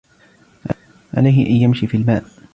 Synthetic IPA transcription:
ʕ | ʕa̰lajɦɪʔanjamʃiːfiːalmaːʔ

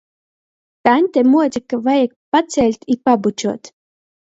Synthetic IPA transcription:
t̪anʲt̪ʲɛmuɔt̪ʲikːavajak̚pat̪sʲɛlʲt̪ʲipabut͡ʃuɔt̪

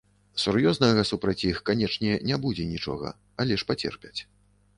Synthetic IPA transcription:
surjɔznɐɣɐsupɾɐt͡sʲixkanʲɛt͡ʂnʲɛnʲɛbud͡zʲɛnʲit͡ʂɔ̰ɣɐ̰ | alʲɛʂpat͡sʲɛ̰rpʲɛt͡sʲ

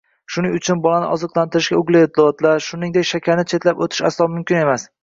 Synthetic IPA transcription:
ʃʊnɪŋʊt͡ʃʰʊnbɒlanɪ̰ʔɒzɨqlˠant̪ʰɪɾɪʃɡʲaʊɡlɪet̪̚ʰːlɒt̪laɾʃʊnɪŋd̪ekʲʃakʲʰaɾnɪt͡ʃʰe̞t̪lapot̪ʰɪ̥ʃa̰slˠɒmʊmkʲɪne̞mas

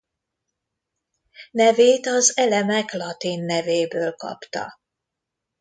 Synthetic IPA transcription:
nɛveːt̪ɒzɛlɛmɛklɒt̪inːɛveːbøːlkɒ̰pt̪ɒ̰

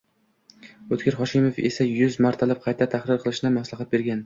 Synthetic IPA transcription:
ot̪kʲɪɾχɒʃɪmofesajʊzmaɾt̪ʰalɪp̚qʰɑjt̪ʰat̪ʰahɾɪɾqʰɨlˠɪʃnɪmaslˠaχɑt̪̚be̞ɾɡʲan

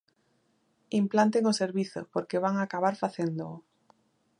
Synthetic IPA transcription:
implant̪eŋʊseɾβiθʊ̰poɾkeβaŋakaβ̞aɾfaθend̪ʊʊ

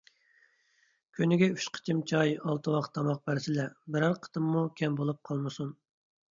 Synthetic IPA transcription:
kʲʰynɪɡʲɛyʃqʰə̥t͡ʃʰimt͡ʃʰɑjɑlˠt̪ʰɨwɑqt̪ʰːɑmɑq̚bæɾsɪlɛbɪɾæɾqʰə̥t̪ʰɨmːukʲʰɛmbolˠup̚qʰɑlˠmɨsun

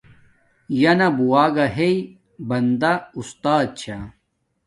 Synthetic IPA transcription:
jɐnɐbuwaːɡɐɦei | bɐnd̪aust̪aːd̪̚t͡ɕʰa

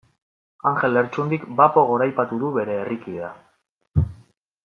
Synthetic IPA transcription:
aŋxe̞leɾt͡ʃund̪ikbapo̞ɣ̞o̞ɾajpat̪uðuβe̞ɾe̞ːrikiða

